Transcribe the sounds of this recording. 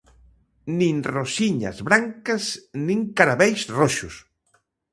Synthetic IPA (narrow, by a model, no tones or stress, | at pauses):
nĩŋrosiɲa̰zβɾaŋkɐsnĩŋkaɾaβɛjsroʃus